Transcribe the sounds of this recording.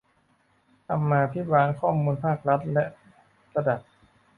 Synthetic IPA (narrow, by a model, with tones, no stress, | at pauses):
t̪ʰa˧mːaː˧pʰi˦˥waː˧ŋkʰɔː˥˩muː˧npʰaː˥˩k̚ɾa˦˥t̪̚lɛ˦˥ʔ | ɾa˧da˨˩p̚